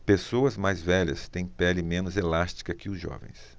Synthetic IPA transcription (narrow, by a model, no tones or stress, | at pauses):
pesoɐzmajzvɛʎɐ̰st̪ẽj̃pɛlɪmẽnʊzelast͡ʃi̥kɐkɪʊzʒɔ̰vḛ̃j̃s